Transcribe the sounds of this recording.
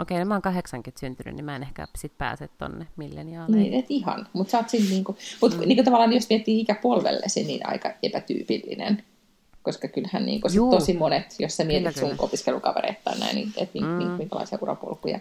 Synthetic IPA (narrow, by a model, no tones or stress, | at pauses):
okeinemæoŋkɑheksɑŋkyt̪synt̪yny̰nnimæenehkæ̰sit̪̚pæ̰ːset̪t̪o̰nːemilːæniniːet̪ihɑ̰nmut̪sɑːt̪sinniːŋkumut̪niːŋkot̪ɑʋɑlːˑɑːnijjosmiet̪ːiːikæpuolʋḛlːḛsinnḭːnɑ̰ikɑepæt̪y̰ːpilːḭnḛn | koskɑkylhænnḭːŋkosit̪osimonet̪jossæmiet̪it̪suŋʔopiskelukɑʋḛɾḛit̪ːɑ̰ːnnæ̰inḭḛt̪niːŋkumiŋkmiŋkælɑ̰isiɑurɑ̰po̰lkujɑ̰